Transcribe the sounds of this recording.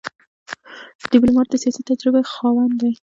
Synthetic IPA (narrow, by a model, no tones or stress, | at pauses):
d̪̥ɪblumɑɾ̚d̪əsijɑsit̪ːad͡ʒɾɪbaxɑwand̪aj